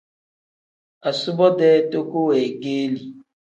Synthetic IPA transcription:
a˨su˦bɔ˦dɛː˦to˦ko˦ɛ˨ɡeː˦li˨

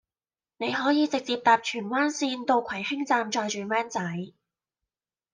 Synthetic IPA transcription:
ne˨˧jɦɔː˨˥jiː˨˧t͡sɪ˨k̚t͡siː˧p̚t̪aː˨p̚t͡ʃʰyː˨˩nwaː˥nsiː˧nt̪o˧wkʰɐ˨˩jhɪ˥ŋt͡saː˧mt͡ʃɔː˧jt͡ʃyː˨wɛː˥nt͡sɐ˨˥j

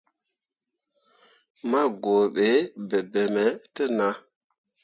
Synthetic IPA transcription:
ma˦ɡo˨ɓe˨˦be˨be˨mɛ˨˦tə˦na˦

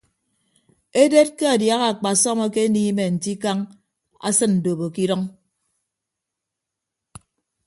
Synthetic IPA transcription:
e˦de˦t̚ke˦a˨dja˦ɣa˨a˨k͡pa˨sɔ˦mɔ˦ke˦niː˦me˨n̩˨ti˦ka˦ŋ | a̰˦sɨ˦nn̩˨do˨βo˨ki˦dɔ˦ŋ

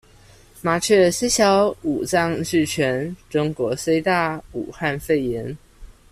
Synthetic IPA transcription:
ma˧˥ʈ͡ʂʰɤ˥˩se˥ɕjɑ˧˥ʊu˨˩t͡sɑ˥˧ŋʂɻ̩˥˩t͡ɕʰɥɛ˧˥nʈ͡ʂʊ˥ŋkwɔ˧˥se˥ɪt̪a˥˩ṵ˨˩xa˥˧nfe˥˩ɪjɛ˧˥n

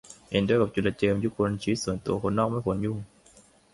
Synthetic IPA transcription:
he˨˦ndɯ˦˥ka˨˩t͡ɕu˨˩la˧t͡ɕəː˧mjuː˧˥˩kʰo˧nt͡ɕʰiː˨˦˥su˨˦ənt̪u˧ɐəkʰo˧nːɔː˥˩k̚ma˥˨jkʰo˧nju˥˩˨ŋ

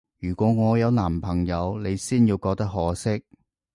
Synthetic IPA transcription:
jyː˨˩kʷɔː˨˥ŋɔː˨˧jɐ˨˧wnaː˨˩mpʰɐ˨˩ŋjɐ˨˧wne˨˧jsiː˥njiː˧wkɔː˧k̚t̪ɐ˥k̚ɦɔː˨˥sɪ˥k̚

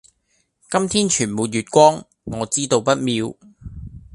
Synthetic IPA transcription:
kɐ˥mt̪ʰiː˥nt͡ʃʰyː˨˩nmuː˨˧t̚jyː˨t̚kʷɔː˥ŋ | ŋɔː˨˧t͡siː˥t̪o˧wpɐ˥t̚miː˨˧w

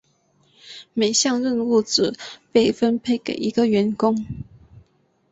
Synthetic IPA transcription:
me˨˩ɪɕjɑ˥˧ŋɻə˥˨nu˥˩t͡sɹ̩˨˩pe˥˩ɪfə˦npʰe˥˩ɪkḛ˨˩ɪʔi˧˥ɡə˨ɥɛ˧˥nkʊ˥ŋ

